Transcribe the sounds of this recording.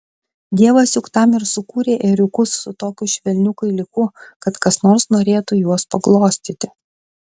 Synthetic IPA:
d̪ʲiɛʋɐsʲjʲʊkt̪ɐmɪɾsʊkuːɾʲeːʔɛɾʲʊkʊsːʊt̪oːkʲʊʃʲʋʲɛlʲnʲʊkʊɪlʲɪkʊkɐt̪kɐsnoːɾsnoːɾʲeːt̪ujuɔspɐɡlˠoːsʲt̪ʲiːt̪ʲɪ

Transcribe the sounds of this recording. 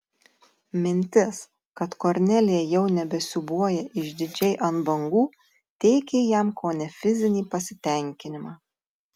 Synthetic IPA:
mʲɪnʲt̪ʲɪs | kɐt̪koɾʲnʲɛlʲɪjɛjɛʊnʲɛbʲɛsʲʊbuɔjɛʔɪʒd̪ʲɪd͡ʒʲɛɪʔɐnbɐŋɡuː | t̪ʲɛɪkʲejɛmkoːnʲɛfʲɪzʲɪnʲiːpɐsʲɪt̪ʲɛˑŋʲkʲɪnʲɪmɑː

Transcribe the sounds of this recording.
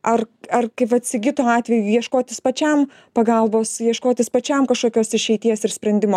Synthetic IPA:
ʔɐrɐrkɐɪpɐt̪ʲsʲɪɡʲɪt̪oːɑːt̪ʲʋʲɛjujiɛʃkoːt̪ʲɪspɐt͡ʃʲɛm | pɐɡɐlˠboːsjiɛʃkoːt̪ʲɪspɐt͡ʃʲɛmkɐʃkoːkʲoːsɪʃʲɛɪt̪ʲiɛsɪrsʲpʲɾʲɛnʲd̪ʲɪmoː

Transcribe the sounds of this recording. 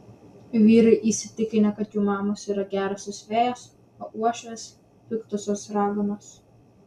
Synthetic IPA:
ʋʲiːɾɐɪʔisʲɪt̪ʲɪkʲɪnʲɛkɐt̪juːmɑːmosiːɾɐɡʲæːɾɐsʲosʲʋʲeːjos | oːuɔʃʲes | pʲɪkt̪ʊsʲoːsɾɑːɡomoːs

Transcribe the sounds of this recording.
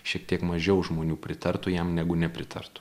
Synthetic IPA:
ʃʲiɛk̚t̪ʲiɛkmɐʒʲɛʊʒmoːnʲuːpʲɾʲɪt̪ɐɾt̪ʊjɛmnʲæɡʊnʲɛpʲɾʲɪt̪ʰɐ̰rt̪ʊ̥

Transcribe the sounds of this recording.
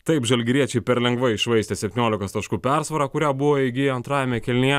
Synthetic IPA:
t̪ɐɪpʒɐlʲɡʲɾʲiɛt͡ʃʲɛɪpʲɛɾlʲɛŋɡʋɐɪʃʋɐɪsʲt̪ʲɛːsʲɛpʲt̪ʲɪnʲoːlʲɪkost̪ɐʃkuːpʲæɾsʋɐɾɑːkʊɾʲæːbʊʋoːɪɡʲɪɐnt̪ɾɑːjɛmʲɛkʲɛlʲnʲɪjɛ

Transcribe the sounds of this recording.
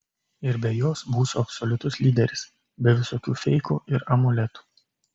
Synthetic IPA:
ɪɾbʲɛjoːsbuːsuɐpsɔlʲʊt̪ʊslʲiːd̪ʲɛɾʲɪs | bʲɛʋʲɪsoːkʲuːfʲɛɪkṵːʔɪɾɐmʊlʲɛt̪u̥ː

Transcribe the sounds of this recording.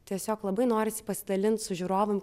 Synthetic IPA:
t̪ʲiɛsʲoːklˠɐbɐɪnoːɾʲɪsʲɪ̥pɐsʲɪd̪ɐlʲɪnt̪sʊʒʲuːɾoːʋɐmʲ

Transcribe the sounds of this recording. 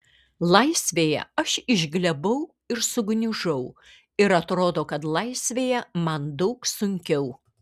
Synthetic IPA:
lˠɐɪsʲʋʲeːjɛ̰ɐʃɪʒʲɡlʲɛbɐʊ | ɪɾsʊɡnʲɪʒɐʊ | ɪɾɐt̪ɾoːd̪oːkɐt̪lˠɐɪsʲʋʲeːjɛmɐnd̪ɐʊksʊŋʲkʲɛʊ

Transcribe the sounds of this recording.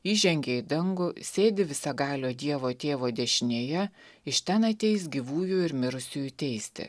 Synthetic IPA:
iːʒʲɛŋʲɡʲeːɪd̪ɐŋɡʊsʲeːd̪ʲɪʋʲɪsɐɡɑːlʲoːd̪ʲiɛʋoːt̪ʲeːʋoːd̪ʲɛʃʲɪnʲeːjɛɪʃʲt̪ʲɛnɐt̪ʲɛɪsɡʲiʋuːjuɪɾmʲɪɾʊsʲuːjʊt̪ʲɛɪsʲt̪ʲɪ̰

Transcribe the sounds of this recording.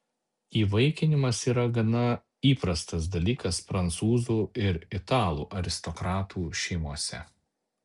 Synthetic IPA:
iːʋɐɪkʲɪnʲɪmɐsiːɾɐɡɐnɐ | iːpɾɐst̪ɐs̬d̪ɐlʲiːkɐsfɾɐnt̪suːzuːɪɾɪt̪ɑːlˠṵːʔɐɾʲɪst̪ɔkɾɑːt̪uːʃʲɛɪmuɔsʲɛ̰

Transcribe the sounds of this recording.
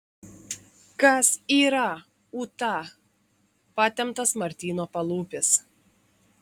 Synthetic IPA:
kɐsiːɾɐ | uːt̪ɑ | pɑːt̪ʲɛmt̪ɐsmɐɾʲt̪ʲiːnoːpɐlˠuːpʲɪs

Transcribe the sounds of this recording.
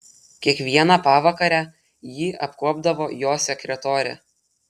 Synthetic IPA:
kʲiɛkʋʲiɛnɑpɑːʋɐkɐɾʲæː | jiːʔɐpkuɔbd̪ɐʋoːjoːsʲɛkʲɾʲɛt̪oːɾʲɛ̰

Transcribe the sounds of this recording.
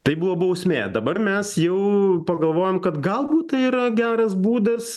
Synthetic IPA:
t̪ɐɪbuːʋoːbɐʊsʲmʲḛːd̪ɐbɐrmʲɛsjɛʊpɐɡɐlˠʋoːjɛmkɐt̪ɡɐlˠbuːt̪ɐiːɾɐɡʲæːɾɐsbuːd̪ɐs

